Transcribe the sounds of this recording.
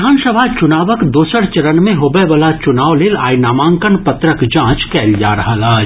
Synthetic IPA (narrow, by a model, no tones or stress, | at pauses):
aːnsəbʱat͡ʃʊnaːʋəkd̪oːsəɾt͡ʃɐɾənmẽɦobəʋɐlat͡ʃʊnaːwleːla̰ːinaːmãːŋkənpɐt̪ɾəkd͡ʒãːt͡ʃkɛːlja̰ːɾɐɦalaː